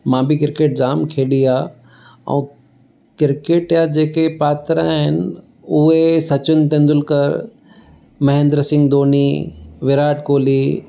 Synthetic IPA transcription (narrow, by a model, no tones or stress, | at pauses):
mãːbɪkɪɾkeːʈ̚d͡ʑaːmkʰeːɗiaː | ɛ̰̃ː | kɪɾkeːʈjad͡ʑeːkepaːt̪ɾãɦɪnɪ | ʊɦesɐt͡ɕʊnt̪̬ẽnd̪ʊlkəɾ | mɐɦẽːnd̪ɾəsɪ̃ŋɡd̪oːniːʋɪɾaːʈkoːliː